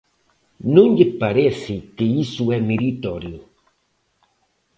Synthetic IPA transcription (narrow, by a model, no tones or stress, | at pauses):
nũŋʎepaɾeθikeisuɛmiɾit̪oɾjo